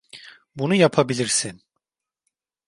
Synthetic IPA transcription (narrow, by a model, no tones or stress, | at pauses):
bunujapʰabilʲiɾsin